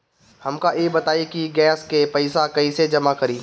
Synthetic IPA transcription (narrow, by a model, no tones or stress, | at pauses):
hɐmkaʔjebɐt̪aːikiɡɛːskepɐɪsakɐised͡ʒɐmakɐɾiː